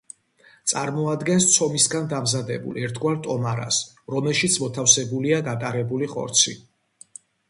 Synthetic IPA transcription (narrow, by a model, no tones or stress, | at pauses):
t̪sʼaɾmɔad̪ɡɛnst̪sʰɔmisɡand̪amzad̪ɛ̰bṵlɛɾt̪ʰɡwaɾt̪ʼɔmaɾa̰s | ɾɔmɛlˠʃit̪sʰmɔt̪ʰafsɛbuliaɡat̪ʼaɾɛbuliχɔ̰ɾt̪sʰi